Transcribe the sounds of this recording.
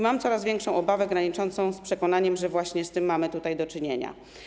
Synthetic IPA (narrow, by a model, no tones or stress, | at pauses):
mamt̪sɔɾazvʲɛŋkʂɔ̃w̃ɔbavɛɡɾaɲit͡ʂɔnt̪sɔ̃w̃spʂɛkɔnaɲɛmʐɛvwaɕɲɛst̪ɘmːamɘt̪ut̪ajd̪ɔt͡ʂɘɲeɲa̰